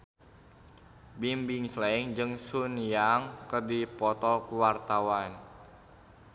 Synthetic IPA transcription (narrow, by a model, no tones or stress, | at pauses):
bimbiŋslaiŋd͡ʒɨŋsunjaŋkərdipɔt̪ɔkuwart̪awan